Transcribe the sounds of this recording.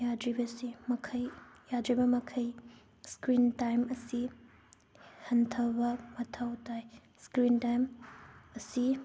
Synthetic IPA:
jadɾibɐsimɐkʰɐjjadɾibɐmɐkʰɐj | skɾintajmɐsi | hɐntʰɐbɐmɐtʰɐwtaj | skɾintajmɐsi

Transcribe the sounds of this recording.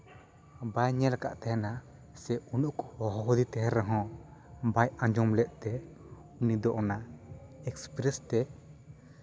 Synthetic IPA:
bajɲɛlaka̰ʔt̪ɛɦɛna | sɛunuʔkhɔɦɔɦɔd̪it̪ɛɦɛɾɛɦɔ̃bajãd͡ʒɔmlɛʔ̪̚ˀt̪ɛ | unid̪ɔʔɔnaɛkspɾɛst̪ɛ

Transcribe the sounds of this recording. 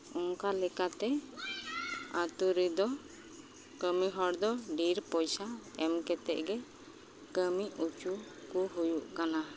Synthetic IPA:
ɔŋkalɛkat̪ɛ | at̪uɾid̪ɔ | kəmiɦɔɽd̪ɔɖiɾpɔjsaɛmkɛt̪ɛ̰ʔɡɛ | kəmiut͡ʃu | kuɦujuʔkana

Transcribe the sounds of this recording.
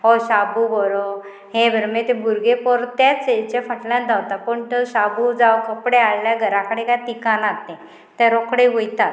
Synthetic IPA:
ɦoɕabubɔɾo | ɦẽbʱəɾmet̪ebʱuɾɡepɔɾt̪jat͡set͡ɕefəʈljãnd͡z̪awt̪apəɳt̪əɕabud͡zawkəpɽeaɭːjaɡʱəɾakəɽẽkat̪ikanat̪ːẽ | t̪ɛ̃ɾokɽeʋujt̪at̪

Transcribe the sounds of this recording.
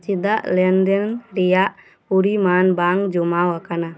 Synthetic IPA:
t͡ʃid̪aʔlɛnd̪ɛnɾɛjaʔ | puɾimanbaŋd͡ʒɔmawakana

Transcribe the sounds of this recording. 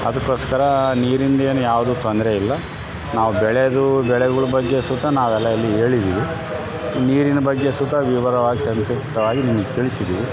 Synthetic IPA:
ɐd̪ɐkːo̞ːskɐɾɐniːɾind̪ɐe̞ːnujaːʋud̪uːt̪ond̪ɾeilːɐ | naːʋubɛɭed̪ubɛɭɛɡɐɭubɐɡːe̞sut̪ːɐnaːʋɛlːɐɐlːie̞ːɭid̪iːʋi | niːɾinɐbɐɡːe̞sut̪ɐʋiʋɐɾɐʋaːɡisɐmsɐkt̪ɐʋaːɡinimɐɡet̪iɭisid̪iːʋi

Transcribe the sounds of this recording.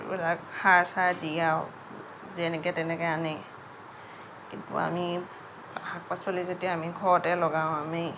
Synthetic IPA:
ṵlakhaɹsaɹdijaw | zɛnɛkɛtɛnɛkɛanɛ | kintṵa̰mi | hak̚pasɔlizodiamiɡʱɔɹɔtɛlɔɡãw̃ami

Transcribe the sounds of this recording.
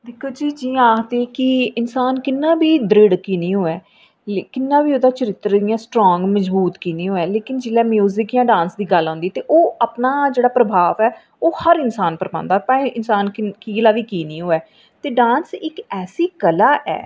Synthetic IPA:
d̪ɪkʰːoːd͡ʒiːd͡ʒĩːaːkt̪eːkɪɪnsaːnkɪnːãːbiːd̪ɾɪɽkiːnĩːɦoːɛː | kɪnːãːbiːod̪aːt͡ʃəɾɪt̪ːɾd̪ijãːsʈɾɔ̃ːŋɡməd͡ʒbuːt̪kiːnĩːɦoːɛːleːkɪnd͡ʒɪlɛːmjuːzɪkjãːɖãːnsd̪iːɡəlɦãːnd̪iɛːt̪eːʔoːəpnaːd͡ʒeːɽaːpɾəbʱaːʋɛː | oːhəɾɪnsaːnpəɾbã̰ːnd̪aːpãːĩːʔɪnsaːnkiːlaːʋiːkiːnĩːɦoːɛː | t̪eːɖãːnsɪkɛːsiːkəlaːʔɛ̰ː

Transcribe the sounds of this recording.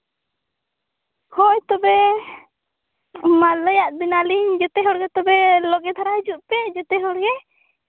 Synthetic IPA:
hɔjt̪ɔbɛ | maləjaʔbinaliɲd͡ʒɔt̪ɛɦɔɽɡɛt̪ɔbɛlɔɡɛt̪ʰaɾaɦid͡ʒuʔpɛd͡ʒɔt̪ɛɦɔɽɡɛ

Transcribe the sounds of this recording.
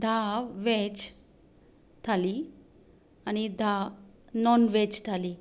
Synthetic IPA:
d̪ʱaʋet͡ɕ | t̪ʰali | añid̪ʱa | nɔnʋet͡ɕt̪ʰaliː

